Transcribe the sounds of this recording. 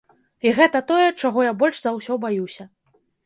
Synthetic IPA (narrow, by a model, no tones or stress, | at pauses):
iɣɛt̪ɐt̪ɔjɛt͡ʂaɣɔjabɔlʲʂzawsʲɔbajusʲɐ